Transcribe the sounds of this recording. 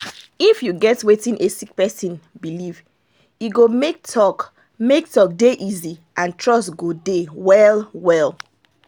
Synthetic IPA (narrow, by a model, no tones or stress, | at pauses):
ifjuɡɛtwetĩŋʔesik̚pɛsĩnbiliv | jiɡomek̚tʰɔk | mek̚tɔk̚deʔiziʔãntʰɹɔstɡodewɛlwɛlˠ